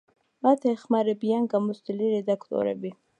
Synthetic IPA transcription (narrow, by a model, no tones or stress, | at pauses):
mat̪ʰeχmaɾebijaŋɡamust̪iliɾed̪akt̪o̰ɾḛbi